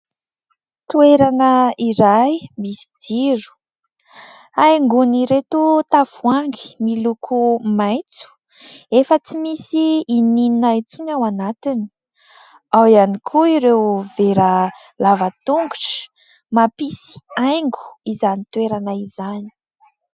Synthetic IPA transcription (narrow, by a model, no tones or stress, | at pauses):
t̪ueɾanəiɾajmisi̥d͡ziru̥ | ajŋɡuniɾet̪ut̪afuaŋɡi̥milukʰumajt͡su̥ | efət͡simisiːnininajt͡sunawanat̪ini̥ | awianikʰuiɾewveɾə | lavət̪uŋɡuʈ͡ʂə̥ | mapisi̥ajŋɡu̥izanit̪weɾanaizani̥